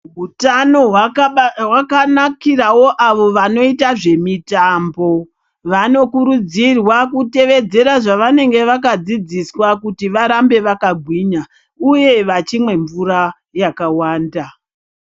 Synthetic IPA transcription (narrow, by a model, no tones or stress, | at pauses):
ɦutano̞ɦwawakanakirawo̞ʔaʋo̞ʋano̞itaʐe̞mitaːmbo̞ | ʋano̞kuɾud͡zirwakute̞ʋe̞d͡ze̞ɾaʐaʋane̞ŋɡe̞ʋakad͡zid͡ziswakutiʋaɾambe̞ʋakaɡʱwiːɲa | uje̞ʋat͡ʃimwe̞ɱvuɾa | jakawaːnda